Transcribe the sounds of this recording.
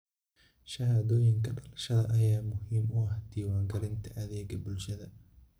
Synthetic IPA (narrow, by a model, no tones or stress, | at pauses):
ʃɐɦaːðɔːjɪŋkʰɐɖɐlɐʃɐðɐʔɐjaːmʊhiːmʊɐhd̪̥iːwaːŋɡɐlɪnt̪ʰɐʔɐðɛːɡɐbʊlʃɐðɐ